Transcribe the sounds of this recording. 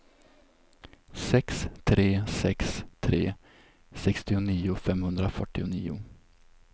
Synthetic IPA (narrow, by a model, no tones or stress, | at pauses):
sɛkst̪ʰɾeːsɛkst̪ʰɾeː | sɛkst̪ɪʊniːʊfɛmhɵnd̪ɾafœʈːɪʊniːʊ̰